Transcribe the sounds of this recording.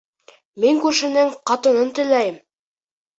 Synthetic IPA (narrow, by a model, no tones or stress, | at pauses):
miŋkʉɾʃɘ̆nɘŋqɑt̪ɤ̆nɤnt̪ɵ̆læjɘm